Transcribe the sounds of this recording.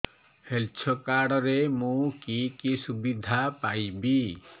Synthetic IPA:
helt͡ʃʰɔkaɽɾemũkikisubid̪ʱapaibi

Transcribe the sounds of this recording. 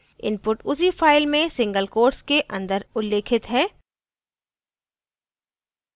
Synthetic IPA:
ɪ̰npʊʈʊs̬ifaːɪlmẽsɪ̃ŋɡəlkoːʈskeʔɐ̰̃nd̪əɾʊlːeːkʰɪt̪ɦɛː

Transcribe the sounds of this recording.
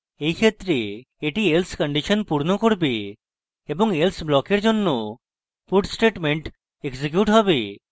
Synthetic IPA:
ejkʰet̪ɾe | eʈielskəɳɖiʃɔnpuɾnokoɾbe | eboŋelsblɔkeɾd͡ʑonːo | puɖsʈeʈmeɳʈ | eɡsek̬juʈɦɔbe

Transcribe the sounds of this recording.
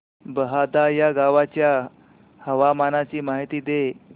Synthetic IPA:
bəɦad̪ajaɡaʋat͡ɕja | həʋamanat͡ɕiːmaɦit̪iːd̪e

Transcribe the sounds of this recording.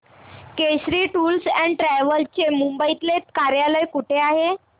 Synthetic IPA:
keɕɾiːʈuːlsæ̃ɳɖʈɾæʋəlt͡ɕemumbəit̪let̪kaɾjaləjkuʈʰeaɦe

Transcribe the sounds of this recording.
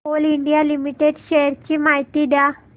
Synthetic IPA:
oːliɳɖijalimiʈːeɖʃejɐɾt͡ɕɨmɐjt̪iɖa

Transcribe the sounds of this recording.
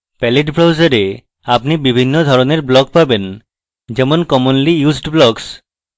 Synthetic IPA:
pɛleʈbʱɾawd͡ʑaɾe | apnibibʱinːod̪ʱɔɾoneɾblɔk̚paben | d͡ʒemonkɔmonlijuzɖblɔks

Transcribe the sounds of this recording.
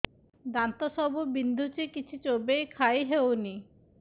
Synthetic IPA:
d̪ant̪ɔsɔbubind̪ʱut͡ʃikit͡ʃʰit͡ʃobejkʰajɦewni

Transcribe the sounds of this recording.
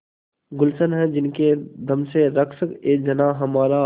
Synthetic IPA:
ɡʊlsənɦɛ̃d͡ʒɪnked̪ʱɐmseɾɐkʃəkeːk̚d͡ʒɐnaɦɐmaːɾa

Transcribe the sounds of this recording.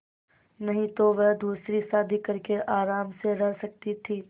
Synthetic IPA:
nɐɦĩt̪oʋɐɦd̪uːsɾisaːd̪ʱikɐɾkeʔaːɾaːmseɾɛɦsɐk̚t̪it̪ʰiː

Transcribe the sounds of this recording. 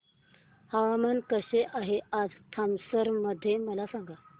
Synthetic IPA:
haʋamənkəɕeʔaɦead͡zt̪ʰamsəɾməd̪ʱːjeməlasaŋɡa

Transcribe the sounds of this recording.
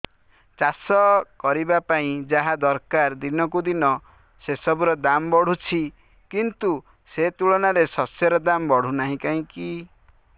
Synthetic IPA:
t͡ʃasɔkɔɾibapaĩd͡ʒaɦad̪ɔɾkaɾd̪inɔkud̪inɔ | sesɔbuɾɔd̪ambɔɽ̤ut͡ʃʰi | kint̪u | set̪uɭɔnaɾesɔsjɔɾɔd̪ambɔɽ̤unaɦĩkaɦĩki

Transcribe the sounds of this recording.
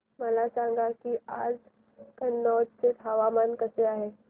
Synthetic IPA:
məlasãŋɡakiːad͡z | kənːɔdt͡set̪ɦaʋamankəseaɦe

